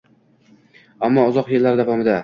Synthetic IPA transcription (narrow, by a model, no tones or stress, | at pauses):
amːɒʊzɒqjelaɾd̪avɒmɪd̪a